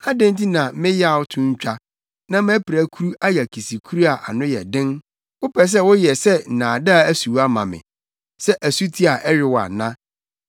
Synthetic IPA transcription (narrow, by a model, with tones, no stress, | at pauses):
a˦dɛ̃˦nti˦nã˨mɪ̃˦ja˨wʊ˦tʰʊ̃˦ɲ˦t͡ɕᶣa˦ | nã˦mæ̃˦pʰɪ˨ɾæ˨kʰu˦ɾu˦a˦jɛ˨kʰi˨si˨kʰu˦ɾu˦a˨ʔa̰˨nʊ̃˦jɛ̰˨dɪ̃˦n | wʊ˦pʰɛ˨s̬ɛ˦wʊ˦jɛ˨sɛ˦n̩˨nãː˨da˦a˨æ˦su˨˦a˦mã̰˨mɪ̰̃˨ | sɛ˦ʔæ˨su˦tʰi˦a˨ʔɛ˦ɾɪ˨wa̰˨nã˦